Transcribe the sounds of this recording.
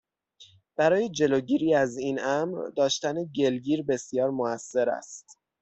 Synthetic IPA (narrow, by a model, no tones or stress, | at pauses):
b̥æɾɒːje̞d͡ʒe̞loːɟiːɾiːæziːnæmɾd̪ɒːʃt̪æneɟe̞lɟiːɾbe̞sjɒːɾmoæsːe̞ɾæ̰st̪